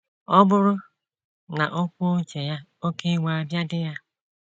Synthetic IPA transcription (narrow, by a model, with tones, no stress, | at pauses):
ɔ˦bʊ˦ɾʊ˦ | na̰˨ʔo˦kʷo˦o˦t͡ʃe˨ja˦o˦ke˦wa˨a˦bja˦dɪ˦ja˦